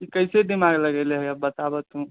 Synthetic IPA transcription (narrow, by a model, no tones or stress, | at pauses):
ikəɪsedimaɡləɡɛleɦəjəbbət̪abət̪ũ